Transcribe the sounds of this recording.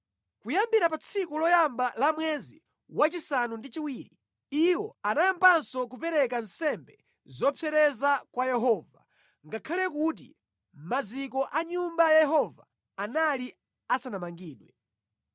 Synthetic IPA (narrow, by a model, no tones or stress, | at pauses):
kujambiɾapat͡sʰikulɔjambalamwɛzi | wat͡ʃisanundit͡ʃiwiːɾi | iwɔanajampansɔk̬upɛɾɛkansɛmbɛ | zɔpʰɛɾɛzakwajɛɦɔːva | ŋɡakʰalɛkut̬ḭ | mad͡zikɔʔaɲumbajajɛɦɔvaː | nali | asanamaŋɡiːɗwɛ